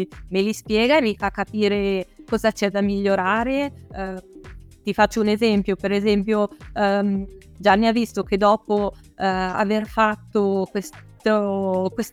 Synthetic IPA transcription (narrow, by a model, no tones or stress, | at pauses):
melispjɛːɡarikakːapiːɾekɔzat͡ʃɛd̪amiʎːoɾaːɾe | t̪ifat͡ʃːounezɛmpjopeɾezɛmpjo | d͡ʒanːiavːist̪ok̟ed̪ːɔːpo | a̰verfat̪ːokwest̪okwes